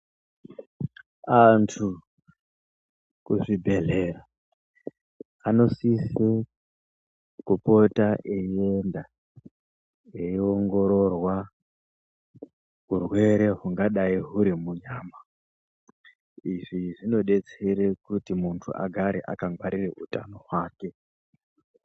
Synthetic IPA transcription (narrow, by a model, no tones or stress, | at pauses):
antʰu | kuʐibʱe̞ɮe̞ra | ano̞sise | kupo̞taʔeienda | eio̞ŋɡo̞ɾo̞rwa | kurwe̞ɾe̞ɦuŋɡaɗaiɦuɾimuɲaːma | iʐiʐino̞ɗe̞t͡se̞ɾe̞kutimuntʰṵʔa̰ɡʱaɾḛʔa̰kaŋɡwaɾireutano̞waːke̞